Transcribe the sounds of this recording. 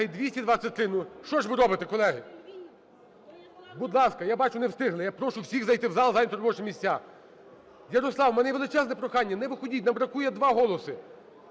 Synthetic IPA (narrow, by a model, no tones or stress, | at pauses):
ɪd̪ʋʲisʲtʲid̪ʋat̪sʲɐt̪ɾɪnʊʃt͡ʃɔʒʋɪɾɔbɪt̪ekɔlˠɛɦɪ | bʊd̪lˠɑskɐjabɑt͡ʃʊnewst̪ɪɦlɪjapɾɔʃʊwsʲixzɐjt̪ɪwzɑlˠzɑnʲt̪ɔɾɔbɔt͡ʃmʲisʲt͡sʲa | jɐɾɔslˠɑwmɛnɛjʋelˠɪt͡ʃɛznɛpɾɔxɑnʲːɐnɛʋɪxɔdʲitʲnɐbɾɐkujɛd̪ʋɑɦɔlˠɔsɪ